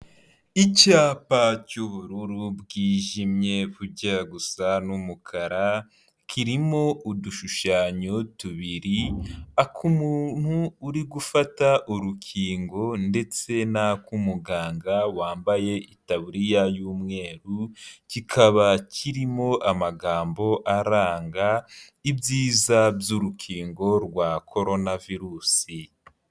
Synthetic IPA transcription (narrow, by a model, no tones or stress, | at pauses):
icaːpacuβuɾuɾubɡiːʒimɲe̞βuɾɟaɡusanumukʰaɾa | kʰiɾimo̞ʔuduʃuʃaːɲotuβiɾiakʰumun̥huːɾiɡufataʔuɾukʰiːŋɡo̞nde̞t͡se̞nakumuɡaːŋɡawaːmbaje̞ʔitaβuɾijajuːmŋe̞ːɾucikʰaβacʰiɾimo̞ʔamaɡaːmbo̞ʔaɾaːŋɡa | ibjiːzabjuɾukʰiːŋɡo̞ɾɡwakʰo̞ɾo̞naviɾuːsi